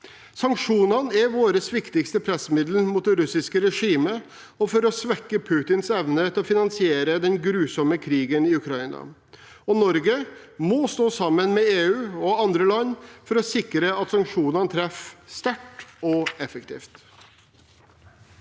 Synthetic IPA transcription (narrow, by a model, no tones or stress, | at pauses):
sɑŋkʂuːnɑnæɾʋoːɾəsʋɪkt̪ɪkst̪əpʰɾɛsəmɪd̪l̩muːt̪̚d̪ɛɾʉsɪskəɾɛʂiːmə | ɔfɔɾɔsʋɛkːəpʰʉːt̪ɪnsɛʋnət̪ʰɪlɔfɪnɑnsɪeːɾəd̪ɛnɡɾʉːsɔməkʰɾiːɡənɪʉkʰɾɑɪnɑ̰ | ɔnɔɾɡə | mɔst̪oːsɑmːənmɛeːʉːɔɑnd̪ɾəlɑnːfɔɾɔsɪkɾəɑt̪sɑŋkʂuːnɑnət̪ʰɾɛfst̪æʈɔɛfəkt̪ʰḭːft̪